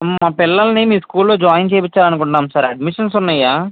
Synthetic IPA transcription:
maːpilːɐlɐnimiːskuːllo̞ːd͡ʒaːjɐnt͡ʃeːpit͡ʃːaːlɐnukuɳʈaːmsɐɾɐɖmiʂɐns̬unːajːaː

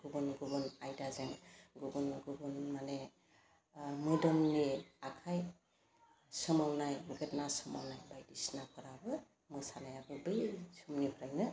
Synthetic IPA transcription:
ɡubɔnɡubɯnajdazeŋɡubɯnɡɯbɯnmane | mɯdɔmniakʰaj | sɯmawnajmuɡetnasɯmawnajbajdisnakʰɔɾabɯ | mɯsanajabɯbɯjsumnibʱɔɾajnɯ

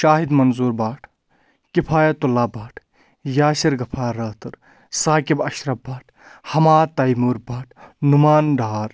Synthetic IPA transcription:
ʃaːɦid̪mɐnzuːɾbaːʈʰ | kipʰaːjat̪ulaːbaːʈʰ | jaːsiɾɡɐpʰaːɾɐːt̪ɨɾ | saːkibɐʃɾɐbaːʈʰ | hɐmaːt̪ɐjmuɾbaːʈʰnumaːnɖʱaːɾ

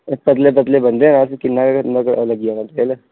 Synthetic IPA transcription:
pɐt̪lep̬ət̪lebɐ̃nd̪enãskɪnːakakʰɐt̪maklɐɡijanat̪eel

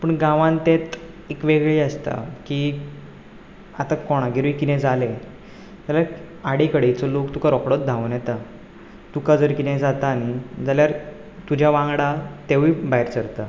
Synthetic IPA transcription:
pəɳɡãʋãnt̪et̪ | ekʋeɡɭiəst̪a̰ki | at̪akɔɽ̃aɡʱeɾʋikinɛ̃d͡zale | t̪ala | aɽikəɽet͡sɔlokt̪ukaɾɔkɽɔt̪̚d̪ʱaʋunjɛt̪a | t̪ukad͡zəɾkinɛ̃d͡zat̪aːñid͡zaljaɾ | t̪ud͡ʑʱjaʋãŋɡɽat̪eʋibaɦiɾt͡səɾt̪a

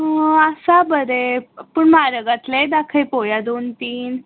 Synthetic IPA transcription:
əsabəɾepəɳmaɾəɡat̪led̪akʰəjpojad̪ont̪iːn

